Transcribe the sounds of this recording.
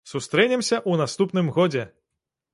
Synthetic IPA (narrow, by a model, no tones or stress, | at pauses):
sust̪ɾɛnʲɛmsʲɐʔunast̪upn̪ɨmɣɔd͡zʲɛ